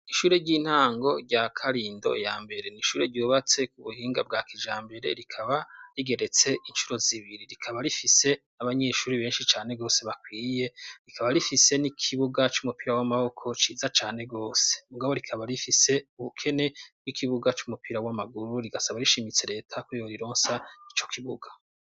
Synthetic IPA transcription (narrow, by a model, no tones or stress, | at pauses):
iʃuːɾe̞ɟiːn̥haːŋɡo̞ɾɟakʰaɾiːndo̞̰jaːmbe̞ɾe̞niʃuːɾeɟuːβat͡se̞kuβuhiːŋɡab̚ɡaːkid͡ʒaːmbe̞ɾe̞̰ɾikʰaβaɾiɡe̞ɾe̞t͡se̞ʔint͡ʃuɾo̞ziβiɾiɾikʰaβaɾifise̞naβaɲe̞ʃuːɾiβeːnʃit͡ʃaːne̞ɡo̞ːse̞βakwiːje̞ɾikʰaβaɾifise̞nikʰiβuɡat͡ʃumupiɾawamaβo̞kʰo̞t͡ʃiːzat͡ʃaːne̞ɡo̞ːse̥muɡaβo̞ɾikʰaβaɾifise̞uβukʰe̞ne̞ɡwikʰiβuɡat͡ʃumupiɾawamaɡuɾuɾiɡasaβaɾiʃimit͡se̞ɾe̞ːtʰakoijoɾiɾo̞ːnsait͡ʃo̞kʰiβuɡa